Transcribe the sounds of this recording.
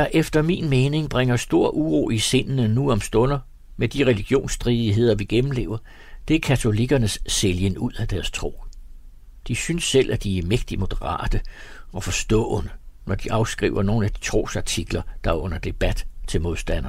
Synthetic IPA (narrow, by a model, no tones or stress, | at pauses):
ɑʔefd̥ɐminmeːne̝ŋb̥ʁeŋɐsd̥o̝ɐ̰ʔuʁo̝̰ːise̝nnənuɒ̽msd̥ɔ̽nɐ | med̥iʁɛliɡ̥jo̝̰ːnsd̥ʁiðˠiɦe̝ð̰ˠɐʋiɡ̥emm̩le̝̰ːʊɐ | d̥e̝æɐkʰæt͡sʰo̝liɡ̥ɐnəsːeljənuð̰ˠæd̥æɐst͡sʰʁo̝̰ː | d̥isynsːel̰ʔæd̥iæɐmeɡ̥d̥imo̝d̥ɐʁɑ̰̈ːd̥əɒ̽fɒ̽sd̥ɔ̰̽ːnənɒd̥iʔɑ̈ʊsɡ̥ʁḭːʊɐno̝ːn̩æd̥i̥t͡sʰʁo̝̰ːsɑ̈t͡sʰiɡ̥lɐd̥ɑ̈ɔ̽n̰ɐd̥e̝b̥æd̥t͡sʰe̝lmo̝ðˠsd̥æn̰ɐ